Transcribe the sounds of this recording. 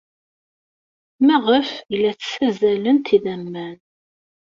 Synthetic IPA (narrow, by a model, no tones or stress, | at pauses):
mæʁəfilːæt͡sːsæzælənt̪iðæmːæn